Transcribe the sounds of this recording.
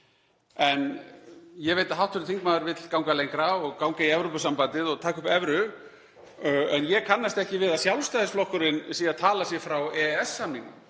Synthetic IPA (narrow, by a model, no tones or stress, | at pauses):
ɛn | jɛɣveːjt̪aɦawht̪ʰʏɾɪt̪ʰiŋkmaːðʏɾvɪt̪lkawŋkalejŋkɾaɔɣkawŋkaiɛvɾowpʏsampant̪ɪðɔɣt̪ʰaːkʏpɛvɾʏ | ɛnjɛkʰanːast̪ɛhcɪvɪðaðsjawlst̪ajðɪsflɔhkʏɾɪnsiːaðt̪ʰaːlasjɛfɾawɛɛsːamniŋkʏ̰